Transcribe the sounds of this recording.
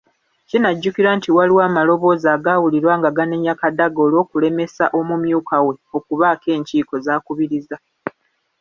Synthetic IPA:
cinaɟːukiɾantiwaliwaːmalo̞βo̞ːzaːɡaːwuliɾwaːŋɡaɡaneɲakadaɡoːlo̞ːkule̞me̞saʔo̞mumjuːkawe̞o̞kuβaːke̞ːɲciːko̞zaːkuβiɾiza

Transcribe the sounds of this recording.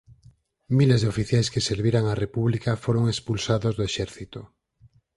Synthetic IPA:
milezðeofiθjajskeseɾβiɾaŋarepuβlikafoɾoŋespulsaðozðoeʃɛɾθit̪o

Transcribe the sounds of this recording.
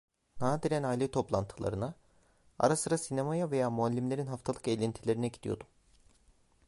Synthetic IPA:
naːd̪iɾænajilʲet̪ʰo̞plˠa̰nt̪ʰɯlˠa̰ɾɯna | a̰ɾasɯɾasinemajave̞jaːmualʲːimlʲe̞ɾinɦaft̪ʰalˠɯkejlʲint̪ʰilʲe̞ɾinɛɟid̪̥ijod̪um

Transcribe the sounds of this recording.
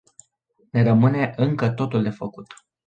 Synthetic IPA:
ne̞ɾəmɨne̞ʔɨŋkət̪o̞t̪uld̪e̞fəkut̪

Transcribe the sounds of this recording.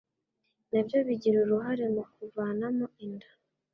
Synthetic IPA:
nabjo̞βiɟiɾuɾuɦaɾemokuvaːnamoindḁ

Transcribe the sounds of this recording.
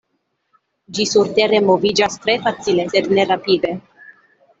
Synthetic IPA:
d͡ʒisuɾt̪eɾemovid͡ʒast̪ɾefat͡s̪ilezet̪neɾapid̪e

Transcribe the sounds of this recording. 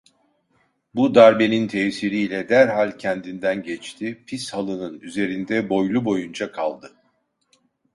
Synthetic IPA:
bud̪aɾbe̞nint̪ʰɛːsiɾiːlʲɛd̪æɾɦalʲcʰɛnd̪ind̪ænɟɛt͡ʃt̪ʰipʰishalˠɯnɯnyze̞ɾind̪ɛbo̞jlˠubo̞jund͡ʒakʰalˠd̪ɯ

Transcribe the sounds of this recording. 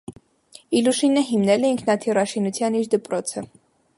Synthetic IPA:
iluʃinəɦimnɛlɛiŋkʰnɑt̪ʰirɑʃinut͡sʰjɑniɾd̪əpɾɔt͡sʰə

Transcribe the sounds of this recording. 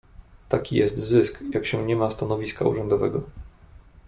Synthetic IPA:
t̪akʲijɛst̪zɘskjakɕɛɲɛmast̪anɔvʲiska̰ṵʐɛnd̪ɔvɛɡɔ

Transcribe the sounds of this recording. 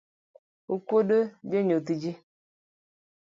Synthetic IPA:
ukʷodod͡ʒeɲot̬id͡ʒi

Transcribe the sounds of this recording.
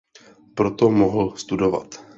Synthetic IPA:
pɾot̪omoɦl̩st̪udo̞va̰t̪

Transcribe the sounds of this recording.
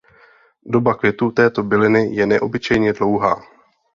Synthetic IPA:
do̞bakvjɛt̪uːt̪ɛːt̪o̞bɪlɪnɪjɛnɛʔo̞bɪt͡ʃɛjɲɛdlo̞wɦa̰ː

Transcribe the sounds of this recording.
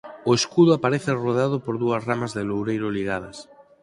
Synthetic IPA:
oeskuðʊapaɾeθɪroðeaðʊpoɾðuɐsramazðelowɾejɾʊliɣ̞að̞ɐs

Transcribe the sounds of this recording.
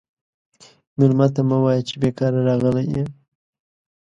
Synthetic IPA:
mɪlmat̪amawɑjat͡ʃebekɑɾaɾɑɣəlaje

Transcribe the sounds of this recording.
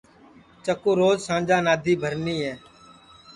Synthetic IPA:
t͡ʃəkoːɾoːzsãːnd͡ʒaːnaːd̪ʱiːbʱəɾniːɦɛː

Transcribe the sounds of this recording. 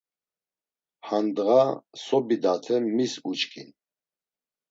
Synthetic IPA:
hand̪ɣasɔbid̪at̪ʰɛmisut͡ʃkʰḭn

